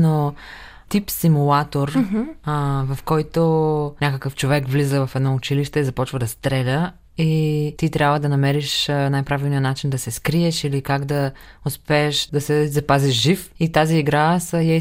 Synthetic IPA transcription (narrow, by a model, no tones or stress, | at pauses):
no | t̪ipsimulˠat̪oɾ | vɐfkɔjt̪onʲakəkəft͡ʃovɛkvlizəvɐfɛd̪nɔʊt͡ʃiliʃt̪ɛizɐpɔt͡ʃvəd̪ɐst̪ɾɛlʲə | it̪it̪ɾʲabvəd̪ɐnɐmɛɾiʃnajpɾavilˠnijənat͡ʃind̪ɐsɛskɾiɛʃilikaɡd̪ɐʊspɛːʃd̪ɐsɛzɐpaziʃʒifit̪aziːɡɾasəjɛ